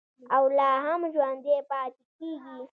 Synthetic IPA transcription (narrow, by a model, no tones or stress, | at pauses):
awlɑːɦamʒwand̪epɑːt̪ikiɡi